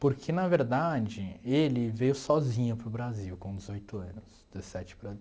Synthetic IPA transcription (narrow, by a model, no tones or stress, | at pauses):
poɾkʰenɐveɾd̪ad͡ʒɪelɪvejʊsɔzĩɲɐpɾʊbɾaziwkõd͡ʒɪzojt̪ʊɐ̃nʊsdd͡ʒzesɛt͡ʃɪ̥pɾɐ